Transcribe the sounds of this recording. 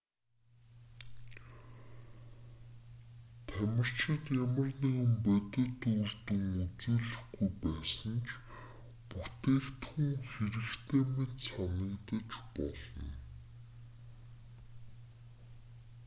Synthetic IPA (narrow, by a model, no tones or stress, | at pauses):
t̪ʰæmʲə̆r̥t͡ɕɪ̆t̪jamə̆rniːmpæt̪ɘ̆t̪urt̪ɘ̆ŋut͡suːɮɘ̆χɡujpæːsə̆nt͡ɕʰ | put̪eːkt̪xuŋxeɾɘ̆kt̪ʰeːmet̪sanɪ̆kt̪ə̆t͡ɕpɔ̰ɮɞ̰̆n